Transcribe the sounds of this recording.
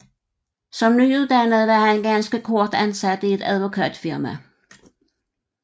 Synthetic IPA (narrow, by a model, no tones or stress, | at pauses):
sɒ̽mnyːuð̩ˠd̥ænəð̩ˠʋɑ̈hænɡ̥ænsɡ̥əkʰɔɐd̥ænsæd̥əie̝d̥æðˠʋo̝kʰɛ̰ːd̥fiɐmæ